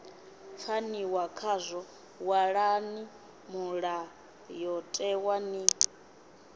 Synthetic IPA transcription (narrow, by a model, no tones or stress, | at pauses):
fʰaniwakʰazʷɔ | waɺani | muɺa | jɔtʼɛwani